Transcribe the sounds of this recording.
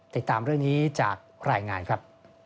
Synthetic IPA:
t̪i˨˩t̪ːaː˧mɾɯ˥˩əŋniː˦˥t͡ɕaː˨˩k̚ɾaː˧jŋaː˧nkʰɾa˦˥p̚

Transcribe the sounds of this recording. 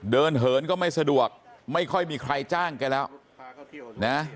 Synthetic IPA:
dɤː˧nɦɤː˩˦˥nkɔː˥˩ma˥˩jsa˧du˨˩ək̚ma˥˩jkʰɔ˥˩jmiː˧kʰɾa˧jt͡ɕaː˥˩ŋka˧nlɛː˦˥w | na˦˥

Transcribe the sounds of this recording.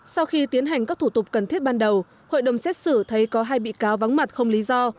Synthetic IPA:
sa˧wxi˧t̪i˨˦ənɦa˨˩jŋ̟kaː˦˥k̚t̪ʰu˧˩t̪ʊ˨˩k͡p̚kə˨˩nt̪ʰi˦˥t̚ɓaː˧nɗə˨˩w | ho̰˧˨jɗə˨˩wŋ͡msɛ˦˥t̚sɨ˧˩t̪ʰə˨˦jkɔ˨˦ɦaː˧jɓḭ˧˨kaː˨˦wva˨˦ŋma˨˩t̚xə˧wŋ͡mli˨˦zɔ˧

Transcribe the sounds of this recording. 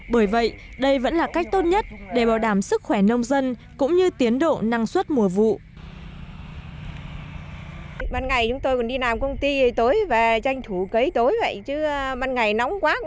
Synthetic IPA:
ɓəː˧˩jvə̰˧˨jʔ | ɗə˧jvə̰˧˥nlaː˨˩ka˦˥jk̟̚t̪o˦˥t̚ɲə˦˥t̚ɗe˧˩ɓaː˧˩wɗaː˧˩msɨ˦˥k̚xwɛ˧˩nə˧wŋ͡mzə˧nkʊ̰˧˥ŋ͡mɲɨ˧t̪i˨˦ənɗo̰˧˨na˧ŋswə˦˥t̚mu˨˩əvṵ˧˨ | ɓaː˧nŋa˨˩jt͡ɕʊ˨˦ŋ͡mt̪o˧jkɔ˨˩nɗi˧laː˨˩mkə˧wŋ͡mt̪i˧˨˩t̪o˨˦jve˨˩t͡ɕa˧jŋ̟t̪ʰu˧˩kə˨˦jt̪o˨˦jvə̰˧˨jt͡ɕɨ˨˦ɓaː˧nŋa˨˩jna˨˦wŋ͡mkwaː˦˥k̚

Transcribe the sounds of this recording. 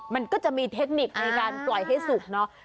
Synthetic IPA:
ma˧nkɔː˥˩t͡ɕa˨˩ʔmiː˧t̪ʰe˦˥k̚ni˨˩k̚na˧jkaː˧nklɔ˨˩jɦa˥˩jsu˨˩k̚nɔ˦˥

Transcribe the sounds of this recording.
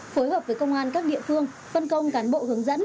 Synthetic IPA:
fo˨˦jɦəː˨˩p̚vəː˨˦jkə˧wŋ͡mʔaː˧nkaː˦˥k̚ɗḭ˧˨əfɨ˧əŋ | fə˧nkə˧wŋ͡mkaː˨˦nɓo̰˧˨hɨ˨˩˦əŋzə̰˧˥n

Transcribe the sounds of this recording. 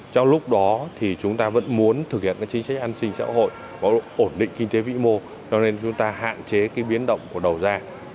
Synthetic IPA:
t͡ɕɔ˧wŋ͡mlʊ˦˥k͡p̚ɗɔ˨˦t̪ʰi˨˩t͡ɕʊ˨˦ŋ͡mt̪aː˧və̰˧˥nmu˨˦ənt̪ʰɨ˨˩k̚hḭ˧˨ənkaː˦˥kt͡ɕï˨˦ŋ̟sa˦˥k̚ʔa˧nsï˧ŋ̟sa̰ː˧˥ɦo̰˧˨j | vaː˨˩ʔo˧˩nɗḭ̈˧˨ŋ̟kï˧ŋ̟t̪e˨˦vḭ˧˥mo˧ | t͡ɕɔ˧ne˧nt͡ɕʊ˨˦ŋ͡mt̪aː˧ɦa̰ː˧˨nt͡ɕe˨˦kaː˨˦jɓi˨˦ənɗə̰˧˨wŋ͡mku˧˩əɗə˨˩wzaː˧

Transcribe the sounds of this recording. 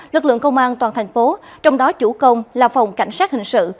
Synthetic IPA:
lɨ˨˩k̚lɨ̰˧˨əŋkə˧wŋ͡mʔaː˧nt̪waː˨˩nt̪ʰjŋ̟fo˨˦t͡ɕɔ˧wŋ͡mɗɔ˨˦t͡ɕu˧˩kə˧wŋ͡mlaː˨˩fɔ˨˩wŋ͡mka˧˩jŋ̟saː˦˥t̚hï˨˩ŋ̟sɨ̰˧˨

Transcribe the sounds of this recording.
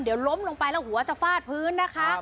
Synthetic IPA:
di˩˦wlo˦˥mlo˧ŋpa˧jlɛː˦˥˩whɦu˨˩˦ɐt͡ɕa˨˩faː˥˩t̪̚pʰɯː˦˥nːa˦˥kʰa˦˥ʔ

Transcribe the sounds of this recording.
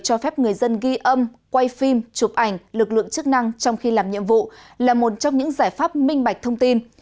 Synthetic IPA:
t͡ɕɔ˧fɛ˦˥p̚ŋɨ˨˩əjzə˧nɣi˧ʔə˧m | kwa˧jfi˧mt͡ɕu˨˩p̚ʔa˨˩jŋ̟lɨ˨˩k̚lɨ̰˧˨əŋt͡ɕɨ˦˥k̚na˧ŋt͡ɕɔ˧wŋ͡mxi˧laː˨˩mɲḭ˧˨əmvṵ˧˨laː˨˩mo˨˩t̚t͡ɕɔ˧wŋ͡mɲɨ̰˧˥ŋzaː˧˩jfaː˦˥p̚mï˧ŋ̟ɓa˨˩jk̚t̪ʰə˧wŋ͡mt̪i˧n

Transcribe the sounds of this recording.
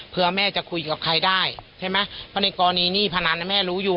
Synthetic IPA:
pʰɯ˧ɐmɛː˥˩t͡ɕa˨˩kʰu˧jka˨˩kʰa˧jdaː˥˩jt͡ɕʰa˥˩jma˦˥jpʰɔ˦˥na˧jkɔː˧nːiː˧˩niː˥˩pʰa˧na˧˥na˧mɛː˥˩ɾuː˨˦˥juː˨˩

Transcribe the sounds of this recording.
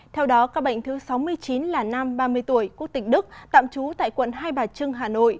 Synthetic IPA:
t̪ʰɛ˧wɗɔ˨˦kaː˦˥k̚ɓə̰˧˨jŋ̟t̪ʰɨ˨˦sa˨˦wmɨ˧əjt͡ɕi˨˦nlaː˨˩na˧mɓaː˧mɨ˧əjt̪u˧˩əjku˦˥ək̚t̪ï˨˩ŋ̟ɗɨ˦˥k̚t̪a̰ː˧˨mt͡ɕu˨˦t̪a̰ː˧˨jkwə̰˧˨nɦaː˧jɓaː˨˩t͡ɕɨ˧əŋɦaː˨˩no̰˧˨j

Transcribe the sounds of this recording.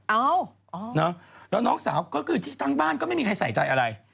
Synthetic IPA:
ʔa˧˩wʔɔ˧˩nɔ˦˥lɛː˦˥wnɔː˦˥ŋsaː˩˦wkɔː˥˩kʰɯː˧t̪ʰiː˥˩t̪a˥˩ŋbaː˥˩nkɔː˥˩ma˥˩jmiː˧kʰa˧jsa˨˩˦jt͡ɕa˧jʔa˧ɾa˧j

